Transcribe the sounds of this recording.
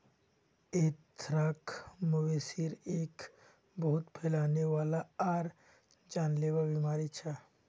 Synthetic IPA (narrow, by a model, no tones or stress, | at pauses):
eːt̪ʰɾaːkmʊweːsiɾeːk | bɐɦʊt̪pʰeːlaːneʋaːlaaːɾ | d͡ʒaːnleʋabimaːɾit͡ʃʰa